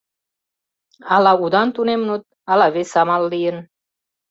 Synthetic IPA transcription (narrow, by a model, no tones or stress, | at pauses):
ɑlɑud̪ɑnt̪unemnut̪̚ | ɑlɑβesɑmɑlːijən